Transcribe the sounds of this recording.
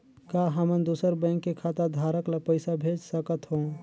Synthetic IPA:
kaɦəmənd̪usəɾbə̃ŋkːekʰat̪əd̪ʱaɾəklapəɪsabʱed͡ʒsəkət̪ɦõ

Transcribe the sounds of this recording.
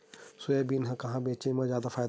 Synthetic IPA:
sʊeːbinɦãkɐɦãːbeːt͡ʃẽmãzjaːd̪afʰaːjd̪

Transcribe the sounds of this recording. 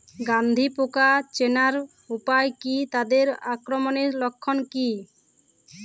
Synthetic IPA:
ɡand̪ʱipokat͡ʃenaɾ | upajkit̪ad̪eɾakɾɔmɔneɾlɔkʰːɔnki

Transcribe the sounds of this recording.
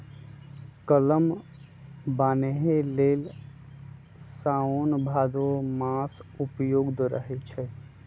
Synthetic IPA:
kələm | baneɦelel | saonbʱad̪omasupjoːɡd̪ɾə̰ɦɛt͡ʃʰɛ

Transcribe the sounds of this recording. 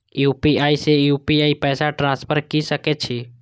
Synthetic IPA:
juːpiaːisejuːpiaːipɛːsaʈɾãspʰəɾkisəkɛt͡ʃʰi

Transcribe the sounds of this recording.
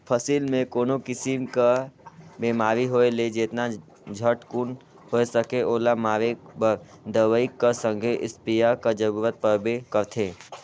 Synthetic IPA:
pʰəsiːlmẽkoːnokɪsimka | beːmaːɾiɦoeled͡ʒeːt̪na | d͡ʒʱəʈkun | hoesəkeʔoːlamaːɾebəɾd̪əʋəɪkːasə̃ŋɡʱeʔɪ̰spijakad͡ʒəɾuːɾət̪̚pəɾbekəɾt̪ʰeː

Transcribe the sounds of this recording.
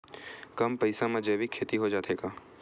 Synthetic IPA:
kɐmpɐɪsamẽd͡ʒeːbʱikʰeːt̪iɦod͡ʒaːt̪eːɡaː

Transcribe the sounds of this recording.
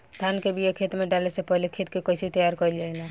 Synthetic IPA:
t̪ʰaːnkebʱijekʰeːt̪mẽɖalesepəɦlekʰeːt̪kekəɪsit̪əjaːɾkəild͡ʒaelã

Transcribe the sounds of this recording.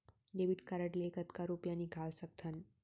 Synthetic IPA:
ɖeʋiʈkaɾəʈlekət̪kaɾupjanikʰalsək̚t̪ʰən

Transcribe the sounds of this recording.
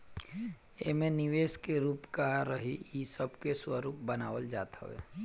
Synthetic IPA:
emẽnɪʋeːskeɾuːpkaɾəɦiisəbkeswəɾuːp̚bənaːʋəld͡ʒaːt̪ə̰ʋḛː

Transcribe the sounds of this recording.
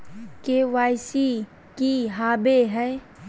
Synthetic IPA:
keʋaːjsi | kiɦaːbeɦɛː

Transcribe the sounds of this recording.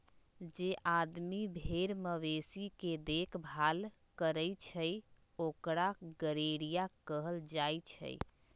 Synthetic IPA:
d͡ʒeʔad̪mibʱeɾməβesiked̪ekʰbʱal | kəɾəjt͡ʃʰəj | okɾaɡəɾeɾijakəɦəld͡ʒajt͡ʃʰə̰j

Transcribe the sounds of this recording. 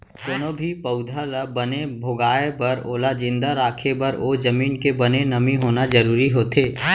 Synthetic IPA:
konoːbʱipəʊd̪ʱalabənebʱoɡaːepɐɾoːlad͡ʒɪ̃nd̪aɾaːkʰebɐɾoːd͡ʒəmiːnkebənenɐmiɦoːnad͡ʒəɾuːɾiɦoːt̪eː

